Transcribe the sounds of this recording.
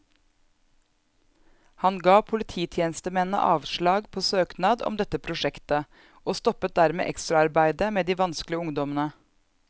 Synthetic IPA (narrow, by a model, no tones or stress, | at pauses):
hɑnɡɑːpʰʊlɪt̪ʰiːt̪ʰjeːnəst̪əmɛnə̰ʔɑ̰ːʋʃɭɑːɡpʰoːsøːknɑːd̪ɔ̰md̪ɛt̪əpʰɾʊʃɛkt̪ə | oːst̪ɔpət̪̚d̪æɾmḛːʔɛkst̪ɾɑɑɾbæɪd̪əmeːd̪iːʋɑnsklɪəʊŋd̪ɔmənə